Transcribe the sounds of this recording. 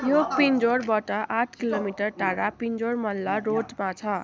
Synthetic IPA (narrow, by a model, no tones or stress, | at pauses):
jopind͡zoɾbʌʈʌʔaʈʰkilomiʈʌrʈaɾapind͡zoɾmʌlːʌɾod͡zmat͡sʰʌ